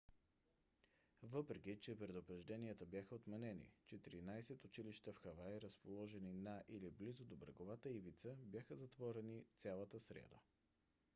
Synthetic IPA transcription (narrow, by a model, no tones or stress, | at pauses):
vɤpɾɛkit͡ʃɛpɾɛd̪ʊpɾɛʒd̪ɛniət̪əbjaxəot̪mɛnɛnḭt͡ʃɛt̪iɾinajsɛt̪ʊt͡ʃiliʃt̪əfxɐvajɾəspolˠɔʒɛninaʔiliblizod̪obɾə̰ɡovat̪əivit̪səbjaxəzɐt̪vɔɾɛnit̪sʲalˠət̪əsɾɛ̰d̪ə̰